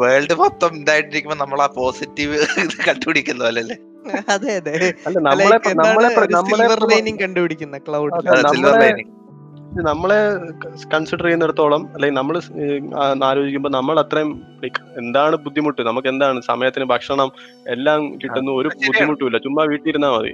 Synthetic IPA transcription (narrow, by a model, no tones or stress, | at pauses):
ʋeːɭɖɨpɐt̪ːɐmend̪aːjiʈːiɾikʲːumboːnɐmːɐɭaːpo̞ːsitːiʋkɐɳɖupiɽikʲːunːɐpoːleɐlːe | ɐðeɐðeɐlːeːnɐmːɐɭeɐnɐmːɐɭeɐnɐmːsːɐɭeɐjniŋkɐɳɖubiɽikʲːunːɐkɭɐwɽɐnsɐilːɐɭejniŋ | inɐmːɐɭe̞kɐɳsiɽɐrijneɽɐt̪ːo̞ːɭɐmɐlːeŋɡilnɐmːɐɭ | aːɾo̞ːd͡ʑikʲːumboːnɐmːɐɭɐt̪ːrɐjmpɽikːɐe̞nd̪aːɳɨbud̪ʱːimuʈːunɐmukːe̞nd̪aːɳɨsɐmɐjɐt̪ːinɨbʱɐkʂɐɳɐm | e̞lːaːmkiʈːunːuo̞ɾubud̪ʱːimuʈːuilːɐt͡ɕumːɐʋiːʈːijiɾunːaːmɐ̰ðɨ̰